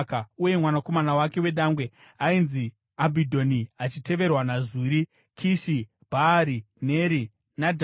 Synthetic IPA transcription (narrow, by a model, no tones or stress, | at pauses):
kauje̞mwanako̞manawake̞we̞ɗaŋɡwe̞ | ainzi | abʱidʱo̞niat͡ʃite̞ʋe̞rwanaziːɾi | kʰiʃi | bʱaɾi | ne̞ɾi | nadʱ